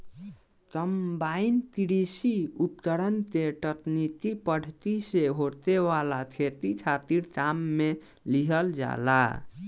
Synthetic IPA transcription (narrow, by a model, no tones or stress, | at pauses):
kəmbaint̪iɾisiupt̪əɾənt̪eʈətnit̪ipəɽ̤ʱt̪iseɦot̪ewalat̪ʰet̪it͡ʃʰat̪iɾtamːe | liɦəld͡ʒa̰la̰